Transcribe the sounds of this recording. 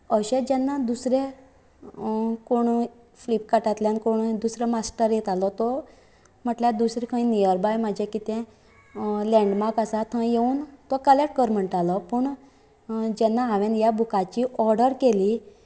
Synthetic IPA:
əɕed͡ʑɛnːad̪usɾe | koɳ̃ | flip̚kaʈat̪ljãnkoɳ̃ud̪usɾemasʈəɾjet̪alɔt̪ɔ | m̤əʈljad̪usɾikʰə̃ĩnijəɾbajmad͡ʑʱekit̪ɛ̃ | lɛ̃ɳɖmaɾkasat̪ʰə̃jeuːnt̪ɔkəleʈ̚kəɾm̤əɳʈalɔpəɳ | d͡ʑɛnːaaʋẽnjabukat͡ɕiʔɔɾɖəɾkeli

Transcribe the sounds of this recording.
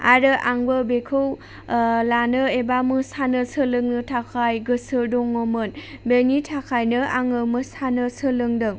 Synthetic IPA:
a̰ɾɯʔaŋbɯbekʰɯw | lanɯebamɯsanɯsɯlɯŋnɯtʰakʰajɡɯsɯdɔŋːomɯnbenitʰakʰajnɯaŋɯmɯsanɯsɯlɯŋdɯŋ

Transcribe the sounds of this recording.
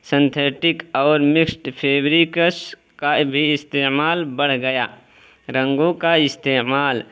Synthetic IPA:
sɪ̃nt̪ʰeːʈɪkɔːɾmɪksʈpʰeːbɾikəs | kabʱiɪst̪eːmaːlbɐɽ̤ɡɐja̰ː | ɾə̃ŋɡõkaɪst̪eːmaːl

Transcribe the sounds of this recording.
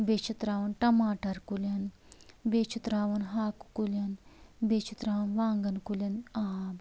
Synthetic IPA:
beːt͡ʃʰit̪ɾaːʋɐnʈɐmaːʈɐɾkulʲɐn | bet͡ʃʰit̪ɾaːʋɐnɦaːku̥kulʲɐnbeːt͡ʃʰit̪ɾaːʋɐnʋaːŋɡɐnkulʲɐnɐɦaːb

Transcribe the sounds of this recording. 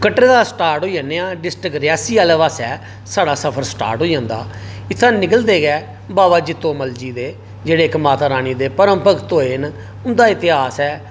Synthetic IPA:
kəʈːɾeːd̪aːsʈaːɾʈɦoːijãːneːãːɖɪsʈɾɪkɾɪjaːsiːaːleːʋaːsɛː | saːɽaːsəpʰəɾsʈa̰ːɾʈɦoːijãːnd̪a̰ː | ɪt̪ʰːãːnɪkəld̪eːɡɛː | baːʋaːd͡ʒɪt̪ːõːməld͡ʒiːd̪eː | d͡ʒeːɽeːɪkmaːt̪aːɾaːniːd̪eːpəɾə̃mpəkt̪oːen | ʊnd̪aːɪt̪ɪɦaːsɛː

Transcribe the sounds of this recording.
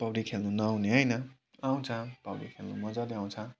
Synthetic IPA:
pʌwɾikʰelnunʌawneɦʌjnʌ | aw̃t͡sʰʌpʌwɽḭkʰelnṵmʌd͡zad̪iãw̃t͡sʰʌ̃

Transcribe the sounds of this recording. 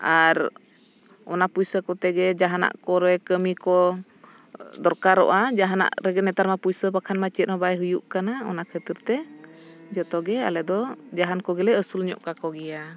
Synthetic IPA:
ʔaɾ | ɔnapuisəkɔt̪ɛɡɛd͡ʒaɦana̰ʔkɔɾɛkəmikɔ | d̪ɔɾkaɾɔ̰ʔad͡ʒaɦana̰ʔɾɛɡɛnɛt̪aɾmapuisəpakʰanmat͡ʃɛt̪̚nɔbajɦujuʔkanaɔnakʰət̪iɾt̪ɛ | d͡ʒɔt̪ɔɡɛa̰lɛd̪ɔd͡ʒaɦankɔɡɛlɛəsulɲɔ̰ʔkakɔɡɛa

